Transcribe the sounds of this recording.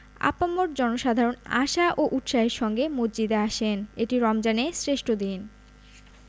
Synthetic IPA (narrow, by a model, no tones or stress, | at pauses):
a̰pamːoɾd͡ʑɔnoʃad̪ʱaɾona̰ʃaʔoʔut̪ʃaɦeɾʃɔŋɡemod͡ʑd͡ʑid̪eaʃeneʈiɾɔmd͡ʑanesɾeʃʈʰod̪in